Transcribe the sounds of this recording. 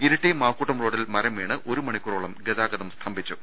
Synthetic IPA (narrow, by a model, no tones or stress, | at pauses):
iɾɐʈːemaːkːuːʈːɐmroːɽilmɐɾɐmeːɳɨʔo̞ɾumɐɳikːuroːɭɐmɡeðaːɡɐðɐmst̪ʰɐmbʱit͡ɕːu